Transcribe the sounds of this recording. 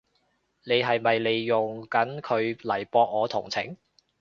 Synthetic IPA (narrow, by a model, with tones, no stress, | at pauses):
ne˨˧jɦɐ˨jmɐ˨jle˨˧jːʊ˨ŋkɐ˨˥nkʰɵ˨˧ɥlɐ˨˩jpɔː˧k̚ŋɔː˨˧t̪ʰʊ̰˨˩ŋt͡sʰɪ̰˨˥˩ŋ